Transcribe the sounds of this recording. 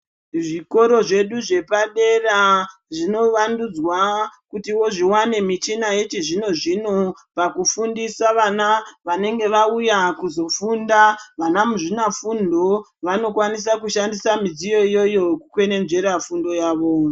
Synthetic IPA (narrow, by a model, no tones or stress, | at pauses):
ʐiko̞ɾo̞ʐe̞ɗuʐe̞paɗe̞raʐino̞ʋandud͡zwakutiwo̞ʐiwane̞mit͡ʃinajet͡ʃiʐino̞ʐino̞ | pakufundisaʋanaʋane̞ŋɡe̞ʋaujakuzo̞fundaʋanamuʐinafundo̞ʋano̞kwanis̬akuʃandisamid͡zijo̞ijo̞jo̞kukwe̞ne̞nze̞ɾafundo̞jaːʋo̞